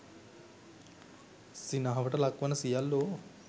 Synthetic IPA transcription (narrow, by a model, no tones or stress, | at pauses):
sinaɦɐbɐʈɐlɐkʋɐnɐsijalːo